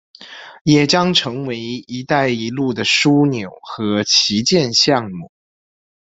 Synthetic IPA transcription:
jɛ˨˩t͡ɕjɑ˥ŋʈ͡ʂʰɤ˧˥ŋwe˧˥ɪi˧˥t̪a˥˩ɪi˧˥lu˥˩d̪ə˩ʂu˥njo˨˩˦ʊxɤ˧˥t͡ɕʰi˧˥t͡ɕjɛ˥˧nɕjɑ˥˧ŋmu˥˩

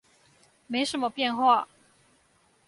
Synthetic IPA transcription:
me˧˥ɪʂə˧˥nmə˧pjɛ˥˧nxwa˥˩

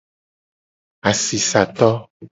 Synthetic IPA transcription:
a˨si˨sa˨t̪ɔ˦

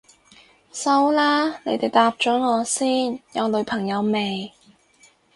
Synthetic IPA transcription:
sɐ˥wlaː˥ne˨˧jt̪e˨jt̪aː˧p̚t͡ʃɔː˨˥ŋɔː˨˧siː˥njɐ˨˧wlɵ˨˧ɥpʰɐ˨˩ŋjɐ˨˧wme˨j

